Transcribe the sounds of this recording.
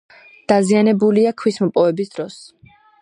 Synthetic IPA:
d̪̥azianɛbuliakʰwismɔpʼɔvɛbisd̪̥ɾɔs

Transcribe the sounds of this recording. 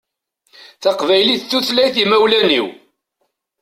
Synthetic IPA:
θɑqvæjliθθuθlæjθimæwlænḭw

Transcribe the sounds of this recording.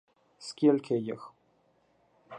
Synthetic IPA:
skʲilʲkʲʰejəx

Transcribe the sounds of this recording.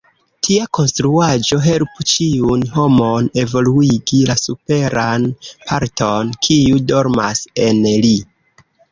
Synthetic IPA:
tʰiako̞nstɾuad͡ʒo̞ɦe̞lput͡ʃiunho̞mone̞vo̞luiɡilasupe̞ɾʔanpʰaɾtʰo̞nkʰiudo̞ɾmase̞nli

